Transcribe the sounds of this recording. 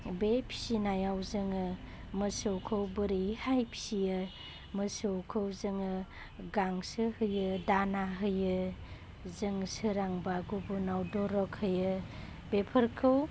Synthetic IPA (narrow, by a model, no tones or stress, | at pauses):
bepʰi̥sinajawzɯŋɯ | mɯsɯwkʰɯwbɯɾihajpʰsijɯ | mɯsɯwkʰɯwzɯŋɯ | ɡaŋsɯhɯjɯdanaɦɯjɯ | zɯŋsɯɾaŋbaɡubunawdɔɾɔkhɯjɯ | bepʰəɾkʰɯw